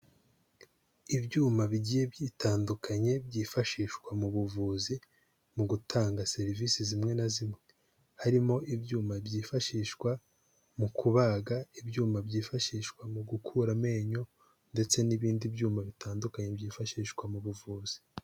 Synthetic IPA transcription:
ibɟuːmaβiɟiːje̞bjiːtʰaːndukʰaɲe̞bɟiːfaʃiːʃkwamuβuvuzi | muɡutʰaːŋɡase̞ɾiviːsizimŋe̞nazimŋe̞ | haɾimo̞ʔibjuːmabɟiːfaʃiːʃkwa | mukʰuβaɡaibɟuːmabɟiːfaʃiːʃkwamuɡukʰuɾame̞ːɲo̞ | nde̞t͡se̞niβiːndibjuːmaβitaːndukaɲe̞bɟiːfaʃiːʃkwamuβuvuːz̥i̥

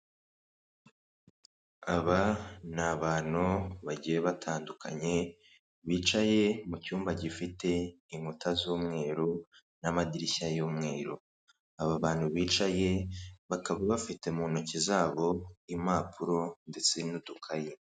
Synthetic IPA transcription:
aβanaβaːn̥uβaɟijeβatʰaːndukʰa̰ɲe̞ | βiːt͡ʃaje̞mucuːmbaɟifite̞ | iŋutʰazuːmŋe̞ːɾu | namadiɾiçajuːmŋe̞ːɾṵ | aβaβaːn̥huβiːt͡ʃaje̞βakaβaβafite̞munocizaːβo̞imaːpʰuɾo̞nde̞t͡senutukʰaji

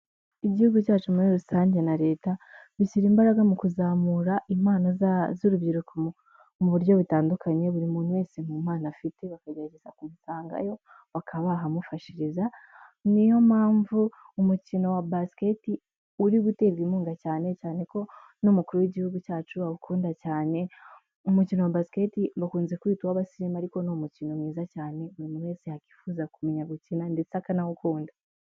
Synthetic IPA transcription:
iɟihuɡucaːt͡ʃumuɾiɾusaːɲɟe̞naɾe̞ːtaβisiɾiːmbaɾaɡamukuzaːmuɾaʔimaːnazzuɾubɟiɾuko | muβuɾjo̞βutaːndukʰaɲe̞βuɾimuːnuwe̞ːsemumaːnafite̞βakaɡaɾaɟezakumusaːŋɡa̰jo̞ | βakʰaβaɦamufaʃiɾizanijo̞maːɱvu | umucino̞wabasi̥ke̞ti | uɾiɡute̞ɡimuːŋɡacaːnet͡ʃaːne̞ko̞ | nomukuɾuwiɟihuɡut͡ʃaːt͡ʃuβaβukʰuːndacaːne̞ | umucino̞wabasi̥ke̞timbakuːnze̞kuwiːtuwaβasiɾimaɾiko̞nomucino̞mŋiːzacaːne̞uɾimunesehaki̥fuːzakumeɲaβucinande̞t͡sakanahukuːnda

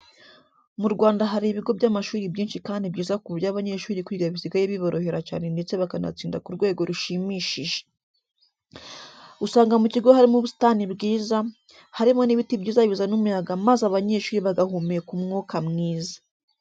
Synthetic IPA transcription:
muɾɡwaːndaɦaɾiβiɡo̞bɟamaʃuːɾibɟiːnʃikaːndibɟiːzakuβjaβaɲe̞ʃuːɾikwiɡaβiziɡajeβiβo̞ɾʔo̞he̞ɾaca̰ːne̞nde̞t͡se̞βakana̰t͡siːndakuɾɡwe̞ːɡo̞ɾuʃimiʃiʒe̥ | usaːŋɡamuciɡo̞haɾimuβusi̥tanibɡiːza | haɾimo̞niβitibɟiːzaβizanumujaɡamazaβaɲe̞ʃuːɾiβaɡahumiekumŋuːkamŋiːzḁ

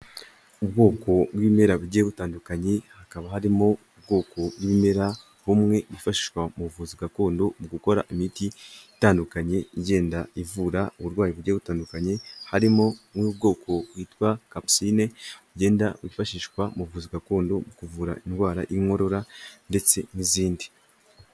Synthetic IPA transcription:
ubɡo̞ːkʰo̞bwime̞ɾaβuɟeeβutaːndukaɲe̞hakaβahaɾimoub̚ɡo̞ːkʰo̞bwime̞ɾa | humŋe̞βuifaʃiʃwamuuvuːziɡako̞ːndo̞muɡuko̞ɾa̰ʔimitiitaːndukaɲe̞iɟe̞ːndaivuɾauβuɾɡwaːjiβuɟeβutaːndukaɲe̞haɾimomwub̚ɡo̞ːkʰo̞βwiːtwakapsineuɟe̞ːndaβifaʃiʃwamuβvuːziɡako̞ːndo̞mukuvuːɾa̰inɡwaːɾa̰ʔiŋo̞ɾo̞ɾande̞t͡se̞niziːndi̥

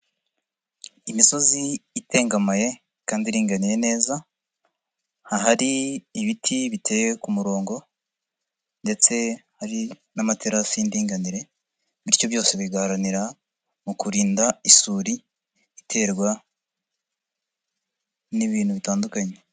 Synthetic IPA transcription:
imiso̞ziːte̞ːŋɡamaje̞ | kaːndiɾiːŋɡaniɾe̞ne̞ːza | haɦaɾiːβitʰiβitʰe̞jekumuɾo̞ːŋɡo̞ | nde̞t͡se̞haɾi | namateɾasindiːŋɡaniɾe̞ | βiɾjo̞βjo̞ːse̞βiɡahaɾaniɾa | mukuɾiːndaisuːɾiː | tʰe̞ːɾɡwa | niβiːnhuβitaːndukaɲe

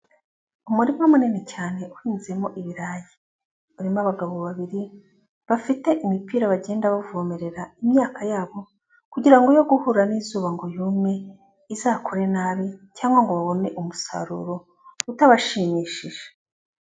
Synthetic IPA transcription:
umuɾimwamuninecaːne̞ʔuhiːnziemo̞ʔiβiɾaːji | βuɾimaβaɡaβo̞βaβiɾi | βafite̞ʔimipiːɾaβaɟe̞ːndaβavumeɾe̞ɾaimɲaːkʰajaːβo̞ | kuɟiɾaŋɡo̞jo̞ɡuhuɾaniːzuːβaŋɡo̞juːmɲe̞ | izaːkʰoɾe̞naːβicaːŋɡwaŋɡo̞βaβo̞ne̞ʔumusa̰ɾṵːɾo̞ | utaβaʃiɲiːʃiʒ̥e

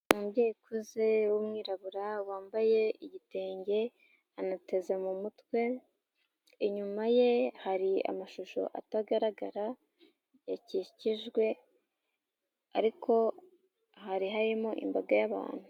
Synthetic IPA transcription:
mumbɟeːkuzewumŋiːɾaβuɾawaːmbaje̞iɟite̞ːɲɟe̞ | anate̞ze̞mumutwe̞ | iɲumaje̞haɾia̰maʃuʃo̞̰ʔa̰taɡaɾaɡaɾa | jaciciʒɡwe̞ | a̰ɾikʰo̞ | ɦaɾiɦaɾimoʔḭmbaɡajaβa̰ːn̥hu

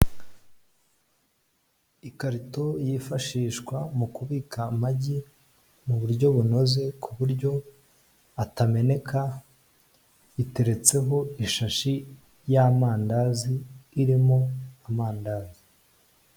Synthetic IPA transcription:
ikaɾito̞jiːfaʃiːʃkwamukuβiːkamaɟi | muβuɾɟo̞βuno̞ze̞kʰuβuɾɟo̞ | atame̞ne̞kʰa | ite̞ɾe̞t͡se̞ɦo̞iʃaʃi | jamaːndaziːɾimoamaːndaːzi

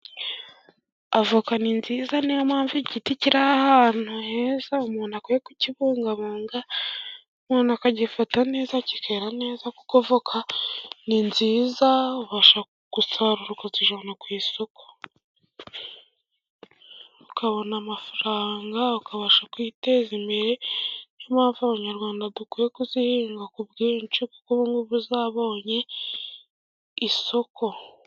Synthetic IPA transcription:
avukaninziːzanejamaːɱviɟiticiɾaahaːn̥huhezaumuːnakojekuciβuːŋɡaβoːŋɡa | umuːnakaɟifatane̞ːzacikʰeːɾane̞ːzako̥kovokʰaninziːzauβaʃa | kusaɾuɾukaziʒanakwiːso̞ko̥ | ɾukaβo̞namafaɾaːŋɡaukaβaʃakwiːte̞ːzimbeɾejomhaːɱvuaβaɲaɾɡwaːndadukuɾekuzihiːŋɡakubɡiːɾint͡ʃuko̥kuβuŋɡuβuzaːβoːɲe̞ | iso̞kʰo̞

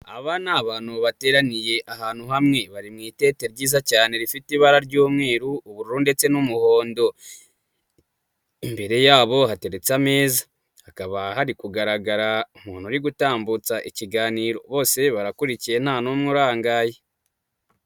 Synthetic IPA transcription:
a̰βanaβaːnuβate̞ːɾanije̞ʔaɦaːn̥huɦamŋe̞βaɾimŋiːte̞ːte̞ɾɟiːzacaːne̞ɾifitiβaɾaɾɟuːmŋe̞ːɾuːβuɾuɾunde̞t͡se̞numuho̞ːndo̞ | imbe̞ɾe̞jaːβo̞hate̞ɾe̞t͡same̞ːzḁ | hakaβaɦaɾikuɡaɾaɡaɾaum̥huːn̥uɾiɡutaːmbut͡saʔiciɡaːniːɾo̞̰βo̞ːse̞βaɾakuɾicije̞nhaːnomŋuɾaːŋɡaːje

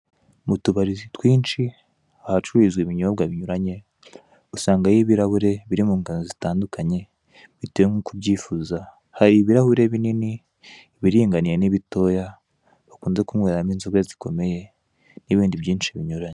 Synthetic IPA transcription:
mutuβaɾizitwiːnt͡ʃi | ahat͡ʃuɾizɡwiβiɲumaβɡaβiɲuɾaɲe̞̥ | usaːŋɡajiβiɾahuɾe̞βiɾimuːŋɡanozitaːndukʰaɲe̞ | βitujeŋukubɟiːfuza | haɾiβiɾahuɾe̞βinini | βiɾiːŋɡaniɾeniβito̞ːja | βakuːnze̞kumŋweɾaminzoɡazi̥kʰo̞me̞je̞ | niβiːndiβjiːnt͡ʃiβiɲuɾaɲe

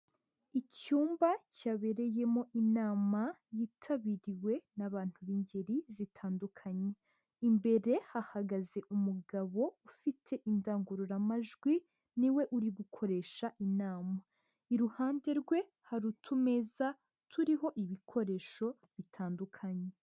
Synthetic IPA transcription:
icuːmbacaβe̞ɾe̞je̞mo̞ʔinaːmajiːtʰaβiɾiwe̞naβaːn̥huβiɲɟeɾizitʰaːndukʰaɲe̞ | imbe̞ɾe̞hahaɡaze̞ʔumuɡaβo̞ufitʰe̞ʔindaːŋɡuɾuɾamaʒɡwi | niwe̞ʔuɾiɡukʰo̞ɾe̞ːʃaʔinaːma | iɾuhaːnde̞ɾɡwe̞ | haɾutʰume̞za | tʰuɾiɦo̞ʔiβikʰo̞ɾe̞ːʃo̞ | βitʰaːndukʰaɲe̞

